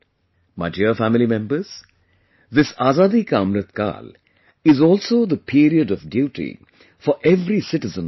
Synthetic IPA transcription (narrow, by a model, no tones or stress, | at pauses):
mad͡ʒiəfæmɪlimɛ̃mbəz̥ | d̪ɪsaːzaːd̪ikaːmɾət̪ka̰ːl | ɪzɔːlsoːd̪əpʰiːɾiəɖɔʋɖjuːʈḭ | fɔɾʔeʋɾisɪʈɪzə̃n